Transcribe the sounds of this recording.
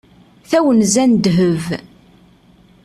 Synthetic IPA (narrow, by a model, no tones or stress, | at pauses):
θæwənzænd̪ɦəv